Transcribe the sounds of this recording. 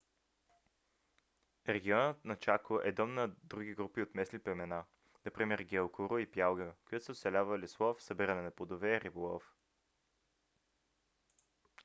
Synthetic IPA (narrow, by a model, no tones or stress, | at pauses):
ɾɛɡʲiɔnət̪nɐt͡ʃakoʔɛd̪ɔmnɐd̪ɾuɡ̟iɡɾupiot̪mɛsliplɛmɛna | nɐpɾimɛɾɡʲɛlˠkʊɾʊipjalˠɡəkojat̪sɛot̪sɛlʲavəlʲislˠɔfsɐbiɾənɛnɐpod̪ovɛːɾibolˠɔf